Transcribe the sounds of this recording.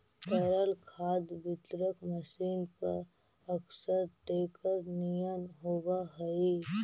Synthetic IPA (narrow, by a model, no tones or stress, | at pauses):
t̪əɾəlkʰaːd̪bɪt̪ɾəkməsiːnpɐ̰ɾ | əksəɾʈeːkəɾnijənɦoːwaɦɐi